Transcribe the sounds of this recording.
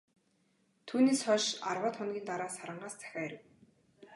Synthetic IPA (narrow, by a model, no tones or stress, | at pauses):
t̪ʰuːneːsχɔʃarwaːt̪χʊnɡʲiːnt̪aɾaːsaɾə̆ɴɢaːst͡sʰæ̥xʲaːæɾɘ̆w